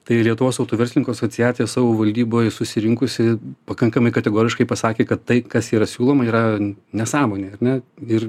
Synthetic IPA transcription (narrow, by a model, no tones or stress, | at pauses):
t̪ɐɪlʲiɛt̪ʊʋoːsɐʊt̪oːʋʲɛrsʲlɪnʲɪŋkoːɐsoːt͡s̪ʲɪjæːt̪sʲjɛsɑːʋoːʋɐlʲd̪ʲiːboːjɛsʊsʲɪɾʲɪŋkʊsʲɪpɐkɐŋkɐmɐɪkɐt̪ʲɛɡoːɾʲɪʃkɐɪpɐsɑːkʲeːkɐt̪tɐɪkɐsiːɾɐsʲuːlˠoːmɐiːɾɐnʲɛsɑːmoːnʲeːɐɾʲnʲɛɪr